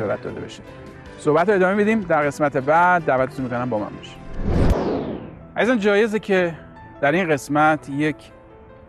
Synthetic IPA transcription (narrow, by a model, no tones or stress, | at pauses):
ɒɾæt̪̚d̪ɒ̰ːd̪e̞bɒ̰ʃid | sohbæt̪ːoeɒːme̞mid̪iːmd̪æɾɣe̞smæt̪ʰe̞bæd̪ːæːvæt̪ʰːeunmikonæmbɒːmæ̰nbɒ̰ʃi̥ | ʔæzizænd͡ʒɒːje̞zecʰe | d̪̥æɾinɢe̞smæt̪ʰjecʰ